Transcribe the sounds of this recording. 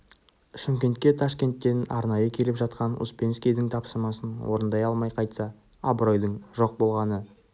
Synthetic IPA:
ʃɪmkʲe̞nt̪̚kʲe̞t̪ʰɑʃkʲe̞nt̪ːe̞nɑ̰ɾnɑjəkʲʰe̞lɪpʒɑt̪̚qɑnṵspʲe̞nskʲijd̪ɪŋt̪ʰɑpsəɾmɑsənwo̞ɾənd̪ɑjɑlˠmɑjqʰɑjt̪sɑ | ɑbro̞jd̪əɴʒo̞q̚bo̞lˠʁɑnə

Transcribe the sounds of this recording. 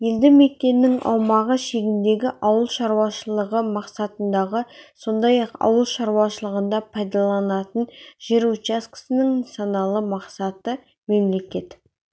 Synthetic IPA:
je̞ld̪ɪme̞k̪̚ʲːe̞nːɪŋʔɑ̰wmɑʁəʃe̞ɡʲɪnd̪e̞ɡʲɪʔɑwəlˠʃɑɾuwɑʃəlˠəʁəmɑqsɑt̪ənd̪ɑʁəso̞nd̪ɑjɑqɑ̰wəlˠʃɑɾuwɑʃəlˠəʁənd̪ɑpʰɑjd̪ɑlˠɑnɑt̪ənʒ̥eɾut͡ʃaskɪ̥sɪnɪŋnt̪sonɑlˠəmɑqsɑt̪ə | me̞mle̞kʲe̞t̪

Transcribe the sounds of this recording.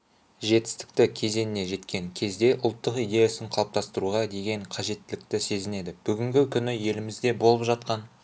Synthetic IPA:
ʒe̞t̪ɪ̥st̪ɪ̥k̚t̪ɪkʲʰe̞ze̞nɪne̞ʒe̞t̪kʲe̞ŋkʲʰe̞zd̪e̞ʔʊlˠt̪ːəqijd̪e̞jasɪɴqʰɑlˠp̚t̪ɑst̪əɾuʁɑd̪e̞ɡʲe̞ɴqʰɑʒe̞t̪ːɪlɪkt̪ɪse̞zɪne̞d̪ɪb̥ʏɡʲɪŋɡʲɪkʲʰʏnɪje̞lɪmɪzd̪e̞bo̞lˠəpʒɑt̪qɑn

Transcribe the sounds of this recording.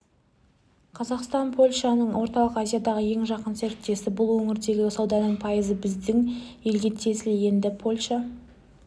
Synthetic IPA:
qʰɑzɑqst̪ɑnpʰo̞lʲʃɑnəɴwo̞ɾt̪ɑlˠəqazʲijad̪ɑʁəje̞ŋʒɑqənseɾt̪ːe̞sɪbʊlˠwɵŋɪɾd̪e̞ɡʲɪsɑwd̪ɑnəɴpʰɑjəzəbɪzd̪ɪŋje̞lɡʲe̞t̪ʰe̞sɪlje̞nd̪ɪpʰo̞lʲʃa

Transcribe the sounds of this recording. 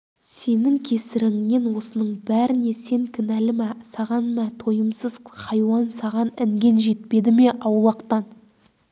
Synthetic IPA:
se̞nɪŋkʲʰe̞sɪɾɪŋme̞nwo̞sənəɴbæɾɪne̞se̞ŋkʲʰɪnælɪmæsɑʁɑnmæt̪ʰo̞jəmsəz̥qʰɑjwɑnsɑʁɑnɪŋɡʲe̞nʒe̞t̪̚pe̞d̪ɪme̞ʔɑwlˠɑqt̪ɑn

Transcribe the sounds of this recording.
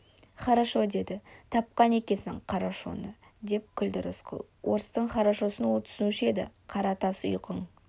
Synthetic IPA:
χɑɾaʃo̞d̪e̞d̪ɪt̪ʰɑp̚qɑne̞kʲe̞sɪɴqʰɑɾaʃo̞̰nə | d̪e̞p̚kʲʰʏld̪ɪɾʊ̰sqʰə̰lˠ | wʔo̞̰ɾəst̪əɴχɑɾaʃo̞sənwolˠt̪ʰʏ̥sɪnuʃɪe̞d̪ɪ̰qʰɑɾɑt̪ɑsʊ̰jqəɴ

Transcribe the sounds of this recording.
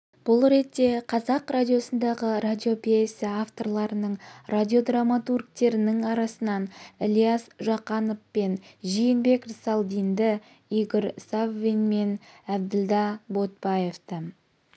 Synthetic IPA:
b̥ʊlˠɾe̞t̪ːe̞qʰɑzɑqɾad̪ʲijo̞sənd̪ɑʁəɾad̪ʲio̞pʲesɪaft̪o̞rlˠɑɾənəɴradʲio̞d̪ramːat̪urk̚t̪e̞ɾɪnɪŋɑɾɑsənɑnelʲijasʒɑqɑnofpe̞nʒijɪnbe̞krsɑlˠd̪ijnd̪ɪ | iɡʲɪɾsavvinmenæb̚d̪ɪld̪ɑbo̞t̪̚bɑje̞ft̪ə

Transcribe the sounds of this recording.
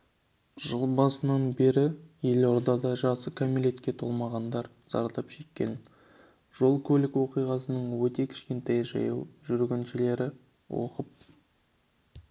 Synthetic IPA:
ʒ̥əlˠbɑsənɑnbe̞ɾɪje̞lo̞ɾd̪ɑd̪ɑʒɑsəkʰomilʲe̞t̪kʲe̞t̪ʰo̞lˠmɑʁɑnd̪ɑɾ | z̥ɑ̰ɾd̪ɑpʃe̞kʲːe̞̰n | ʒ̥o̞lˠkʲʰɵlɪkwo̞qijʁɑsənəɴwɵt̪e̞kʲʰɪ̥ʃkʲe̞nt̪ɑjʒɑ̰jɑ̰wʒʏɾɡʲenʃɪle̞ɾɪ | wo̞̰qəp̚

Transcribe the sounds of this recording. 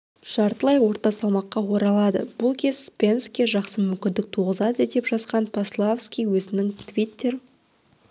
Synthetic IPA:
ʃɑɾt̪əlˠɑjwo̞ɾt̪ɑsɑlˠmɑqːɑwo̞ɾɑlˠɑd̪ə̰b̥ʊlˠkʲʰe̞spʲe̞nskʲeʒɑqsəmʏmkʲɪnd̪ɪk̚t̪ʰuʁəzɑd̪əd̪e̞pʒɑsqɑnpʰaslˠafskʲijwɵzɪnɪŋt̪ʰvʲit̪ʲːe̞ɾ

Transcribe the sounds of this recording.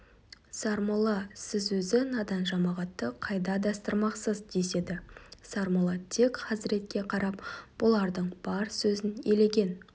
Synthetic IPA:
sɑɾmulˠɑsɪzwɵzɪnɑd̪ɑnʒɑmɑʁɑt̪ːəqʰɑjd̪ɑd̪ɑst̪əɾmɑqsəzd̪e̞se̞d̪ɪsɑɾmulˠɑt̪ʰe̞kχɑsɪɾe̞t̪̚kʲe̞qʰɑɾɑpb̥ʊlˠɑɾd̪əɴb̥ɑɾsɵzɪnele̞ɡʲe̞n

